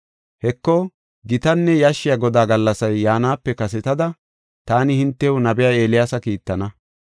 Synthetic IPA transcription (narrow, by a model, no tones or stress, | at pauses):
hɛkːɔ | ɡɪt̪ɐnːɛjaʃːɪjaɡɔd̪aːɡɐlːɐsɐjːaːnaːpːɛkɐsɛt̪ɐd̪ɐ | t̪aːnɪhɪnt̪ːɛʊnɐbɪjae̞ːlɪjaːsɐkiːt̪ːɐnɐ